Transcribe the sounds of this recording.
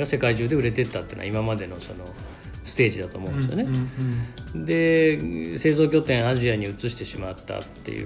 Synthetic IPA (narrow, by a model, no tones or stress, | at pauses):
ɡase̞kaiʑɨːd̪eɯ̟ɾe̞t̪e̞t̪ːat̪eḭːno̰aimamad̪e̞no̞so̞no̞ | sɨ̥t̪e̞ːʑid̪at̪oːmõnesijone̞ | d̪e̞ | se̞ːzo̞ːk̬ʲo̞ːt̪ẽ̞ɰ̃aʑiaɲ̟iɯ̟t͡sɨɕi̥t̪e̞ɕimat̪ːa̰t̪ːe̞̰jɯ̰